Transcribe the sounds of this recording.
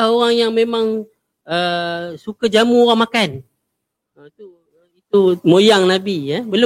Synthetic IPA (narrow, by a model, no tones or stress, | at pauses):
hoɣaŋjaŋmemaŋ | əsukad͡ʒamuoɣaŋmakan | ət̪u | it̪umojaŋnabiabəl